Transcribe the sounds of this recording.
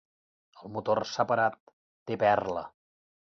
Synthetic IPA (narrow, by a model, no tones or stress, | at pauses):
əlˠmut̪orsəpəɾat̪ː | epɛrlə̰